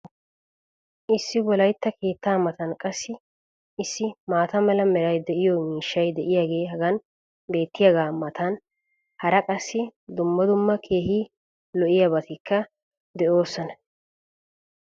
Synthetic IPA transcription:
ʔɪsːɪbɔlɐjt̪ːɐkʰe̞ːt̪ːaːmɐt̪ɐnkʼɐsːɪ | ɪsːɪmaːt̪ɐmɛlɐmɛɾɐjd̪ɛʔɪjɔmiːʃːɐjd̪ɛʔɪjaːɡe̞ːɦɐɡɐn | be̞ːt̪ːɪjɐɡaːmɐt̪ɐn | hɐɾɐkʼɐsːɪd̪ʊmːɐd̪ʊmːɐkʰe̞ːhiː | lɔʔɪjabɐt̪ɪkːɐ | d̪ɛʔo̞ːsːɔnɐ

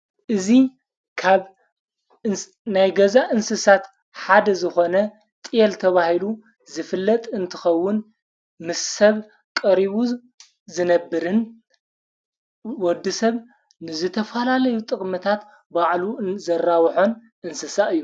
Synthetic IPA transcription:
ʔɨzi | kʰaβ | najɡɐzaʔɨnsɨsat̪ | ħad̪ɐzɨxo̞nɐ | t̪ʼijɛlt̪ʰɐβahilu | zɨfɨlːɐt̪ʼɨnt̪ʰɨxɐwːʊn | mɨssɐβ | kʼɐɾiβu | zɨnɐbːɨɾɨn | wɔd̪ːɨsɐβ | nɨzɨt̪ʰɐfɐlalɐjut̪ʼɨkʼmɨt̪ʰat̪ | baʕluzɐrːawħo̞n | ʔɨnsɨsaɨjːu

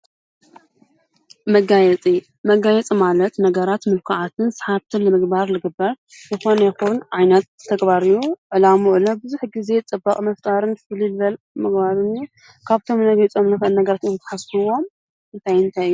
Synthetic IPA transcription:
mɐɡajɛt͡sʼi | mɐɡajɛt͡sʼimalɐt̪nɐɡɐɾat̪mɨlkʰaʕat̪ʰɨnsħaβt̪ʰɨnnɨmɨɡbaɾlɨɡɨbːɐɾ | zɨxo̞nɐjɛxunʕajnɐt̪tʰːɐɡbaɾɨjuʕɨlamuʔɨlobɨzuħɡize̞t͡sʼɨbːɐkʼmɐft̪ʼaɾɨnflilβɐl | mɨɡbaɾɨnju | kʰaβt̪ʰo̞mnɐɡit͡sʼo̞mnɨxɐʔɨlnɐɡɐɾat̪ɨnt̪ʰɐ̥ħasɨwo̞m | ɨnt̪ʰajɨnt̪ʰajɨjːu

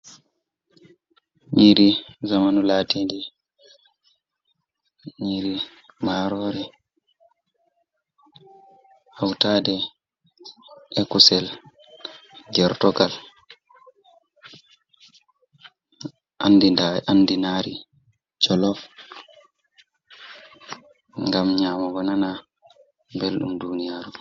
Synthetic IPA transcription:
ɲiɾizamanulaːtindi | ɲiɾi | maːɾɔːɾi | hawtaːdɛ | ɛkusɛl | ɡɛɾtɔɡal | andiaandinaːɾi | t͡ʃɔlɔ | ŋɡamɲaːmaɡɔnana | belɗṵmdunijaːɾu

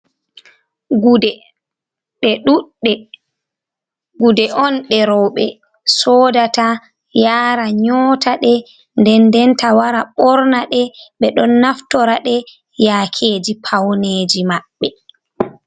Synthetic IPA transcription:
udɛ | ɓɛɗuɗɛ | ɡudɛʔɔnɗɛɾɔwɓɛ | sɔːdata | jaːɾaɲɔːtaɗɛ | ndɛndɛntawaɾaɓɔɾnaɗɛɓɛɗɔnːaftɔɾaɗɛ | jaːkʰed͡ʒipʰawneːd͡ʒimaɓːɛ

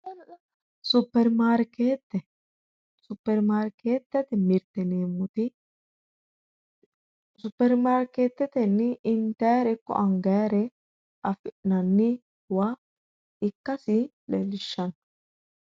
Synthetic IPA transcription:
sʊpːɛɾmaːɾkeːt̪ːɛ | sʊpːɛɾmaːɾkeːt̪ːɛt̪ɛmɪɾt̪ɛneːmːʊt̪ɪ | sʊpːɛɾmaːɾkeːt̪ːɛt̪ɛnːɪɪnt̪ɛːɾɛkːɔ̰ʔɐŋɡɛːɾɛ | ɐfɪʔnɐnːɪ | wa | ɪkːɐsɪ | lɛlɪʃːɐn

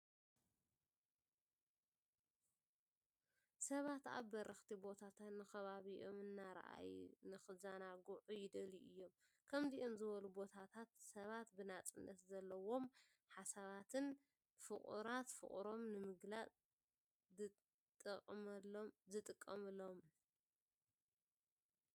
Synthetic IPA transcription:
sɐβat̪a̰βːɐɾɐxt̪ʰibo̞t̪ʰat̪ʰat̪nɨxɐβaβiʔomɨnːaɾa̰ʔa̰jnɨxɨzanaɡuʕujɪd̪ɐliʔɨjːo̞m | kʰɐmziʔomzɨβɐlubo̞t̪ʰat̪ʰat̪sɐβat̪bɨnat͡sʼɨnːɐt̪zɐlːɐwo̞m | ħasaβat̪ʰɨn | fɨχʼṵɾat̪fɨ̰χʼɾo̞mnɨmɨɡlat͡sʼ | t̪ʼɨqʼmlzɨt̪ʼɨkʼːɐmɨlːo̞m

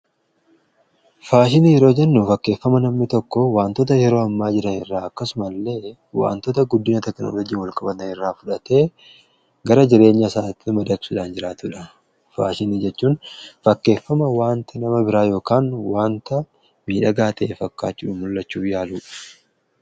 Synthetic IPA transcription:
faːʃɪnijɛɾoːd͡ʒɛnːufɐkːe̞ːfːɐmɐnɐmnɪt̪ɔkːɔwaːnt̪ɔt̪ɐjɛɾo̞ːɐmːaːd͡ʒɪɾɐnɪrːaːɐkːɐsʊmɐlːe̞ː | wa̰ːnt̪ɔt̪ɐɡʊd̪ːɪnɐt̪ɛkno̰ːlɔd͡ʒiːwɐlkʼɐbɐt̪ɐnɪrːaːfʊᶑɐt̪e̞ː | ɡɐɾɐd͡ʒɪɾe̞ːɲːɐsaːt̪ːɪmɐd̪ɐksʊᶑaːnd͡ʒɪɾaːt̪ʊᶑɐ | fa̰ːʃɪnid͡ʒɛt͡ʃːuːnfɐkːe̞ːfːɐmɐwaːnt̪ɪnɐmɐbɪɾaːjo̞ːkaːnwaːnt̪ɐ | miːᶑɐɡaːt̪ɐefɐkːaːt͡ʃːʊᶑʊmʊlːɐt͡ʃːuːfjaːluːɐ̥

